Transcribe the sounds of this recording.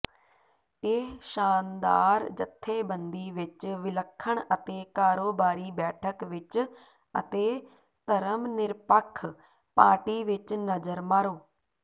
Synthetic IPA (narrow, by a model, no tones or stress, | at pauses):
eːʃaːnd̪a̰ːɾd͡ʒət̪ʰːeːbə̃nd̪iːʋɪt͡ʃʋɪləkʰːəɽ̃ət̪eːkaːɾoːbaːɾiːbɛːʈʰəkʋɪt͡ʃ | ə̰t̪eː | t̪əɾəmnɪɾpəkʰː | paːɾʈiːʋɪt͡ʃnəzəɾmaːɾoː